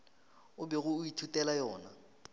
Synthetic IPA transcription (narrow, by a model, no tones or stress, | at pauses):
ʊbɛɣʊːitʰutɛlajɔːna